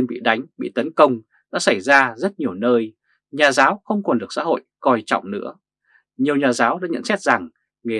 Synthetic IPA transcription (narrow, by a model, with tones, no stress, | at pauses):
nɓḭ˧˨ɗa˨˦jŋ̟ɓḭ˧˨t̪ə˨˦nkə˧wŋ͡m | ɗa̰ː˧˥sa˧˩jzaː˧zə˦˥t̚ɲi˨˩əwnəː˧j | ɲaː˨˩zaː˨˦wxə˧wŋ͡mkɔ˨˩nɗɨ˨˩ək̚sa̰ː˧˥ɦo̰˧˨jkɔ˨˩jt͡ɕɔ̰˧˨wŋ͡mnɨ̰˧˥ə | ɲi˨˩əwɲaː˨˩zaː˨˦wɗa̰ː˧˥ɲə̰˧˥nsɛ˦˥t̚za˨˩ŋ | ŋe˨˩